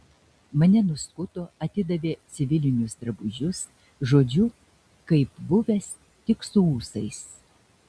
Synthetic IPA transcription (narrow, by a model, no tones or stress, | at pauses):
mɐnʲɛnʊskʊt̪oːɐt̪ʲɪd̪ɐʋʲeːt̪sʲɪʋʲɪlʲɪnʲʊsd̪ɾɐbʊʒʲʊs | ʒoːd͡ʒʲʊ | kɐɪpbʊʋʲɛs | t̪ʲɪksʊuːsɐɪs